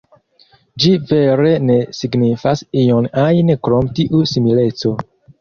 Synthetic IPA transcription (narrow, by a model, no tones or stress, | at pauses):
d͡ʒive̞ɾe̞nesiɡnifasionajnkɾomtiʔusimilet͡so̞